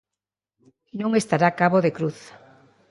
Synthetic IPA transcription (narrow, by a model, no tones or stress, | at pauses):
nõŋest̪aɾakaβoðekɾuθ